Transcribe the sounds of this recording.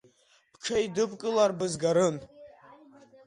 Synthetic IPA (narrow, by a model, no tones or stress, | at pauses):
pʰʈ͡ʂʰaidɨpʼkʼɨlarbɨzɡaɾɨn